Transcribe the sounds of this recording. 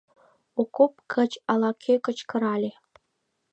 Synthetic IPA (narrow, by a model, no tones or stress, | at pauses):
okop̚kʰə̆t͡ɕɑlˠɑkʲʰekə̆t͡ɕkɤ̆ɾɑlʲe